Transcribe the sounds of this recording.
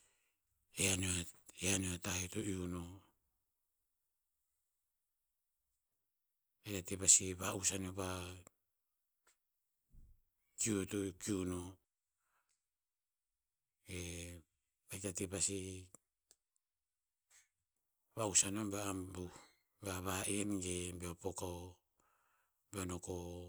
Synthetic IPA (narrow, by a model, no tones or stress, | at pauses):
eaneaeaneatahetoʔiuno | bajtatebasiβausanoba | kiuotokiuno | e | bajtatepasi | βausanombaabu | baβaʔenɡebeopokao | beonoko